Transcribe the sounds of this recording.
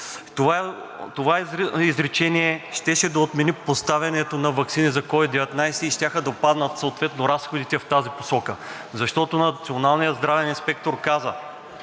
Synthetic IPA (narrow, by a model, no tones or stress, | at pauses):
t̪ova | t̪ovaizɾɛt͡ʃɛniɛʃt̪ɛʃɛd̪ɐot̪mɛnipost̪avʲɐnɛt̪onɐvɐksinizɐkɔvid̪ɛvɛt̪najsɛiʃt̪ʲaxəd̪ɐpad̪nɐt̪soot̪vɛt̪noɾasxod̪it̪ɛft̪azipo̥sɔkə | zɐʃt̪ɔt̪onɐt̪sionalˠnijəzd̪ɾavɛninspɛk̚t̪oɾkazə